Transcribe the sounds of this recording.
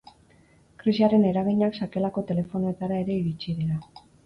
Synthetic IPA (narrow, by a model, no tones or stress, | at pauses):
kɾisiaɾe̞ne̞ɾaɣ̞iɲaksake̞lako̞t̪e̞le̞fo̞noet̪aɾae̞ɾe̞iɾit͡ʃiðeɾa